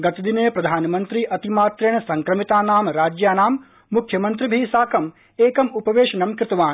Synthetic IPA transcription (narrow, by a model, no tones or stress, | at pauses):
ɡɐt̪ɐd̪ineːpɾɐd̪ʱaːnɐmɐnt̪ɾiʔɐt̪imaːt̪ɾeːɳɐsɐŋkɾɐmit̪aːnaːmɾaːd͡ʒjaːnaːmː | ukʰjɐmɐnt̪ɾibʱiːsaːkɐm | eːkɐmupɐʋeːʃɐnɐmkɾɪt̪ɐʋaːn